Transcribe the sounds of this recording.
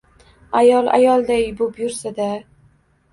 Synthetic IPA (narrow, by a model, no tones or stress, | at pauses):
ajɒlˠa̰jɒlˠd̪ajbʊpjʊɾsad̪a